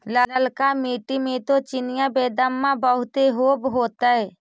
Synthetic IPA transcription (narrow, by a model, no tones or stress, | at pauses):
lələlkamiːʈimẽt̪ot͡ʃɪnɪjãbeːd̪əmːãbəɦʊt̪eɦoːbɦoːt̪aɛ